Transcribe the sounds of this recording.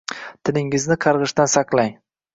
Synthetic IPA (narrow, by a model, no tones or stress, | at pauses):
t̪ʰɪnɪŋɪznɪqʰɑɾʁɨʃt̪ansaqlˠaj